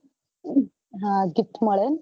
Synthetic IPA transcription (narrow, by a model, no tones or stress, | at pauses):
ɦãɡit̪məɭen